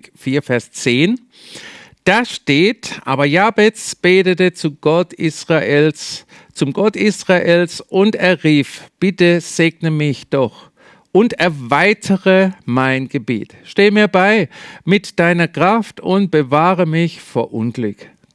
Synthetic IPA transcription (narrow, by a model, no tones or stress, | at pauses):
fiːɐfɛɐst͡seːn | d̥aːʃteːtʔa̰ːbɐjaːbɛt͡sb̥eːtətət͡sutsʁ | t͡sʊmɡɔtisʁaʔeːlsʔʊnteːɐʁiːfb̥ɪtəz̥eːɡnəmɪçd̥ɔχ | ʔʊntɛɐvaɪtʰəʁəmaɪnɡ̥əbḛːtʃteːəmiːɐbaɪmɪtd̥aɪnɐkʁ̥aftʊnt̚b̥əvaːʁəmɪçfoːɐʔʊnɡlʏk